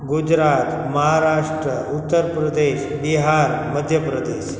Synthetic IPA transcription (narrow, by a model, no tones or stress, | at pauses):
ɡud͡ʑɾat̪ | məɦaɾaʂʈɾəut̪ːəɾpɾəd̪eɕbiɦaɾməd̪ʱjəpɾəd̪eɕ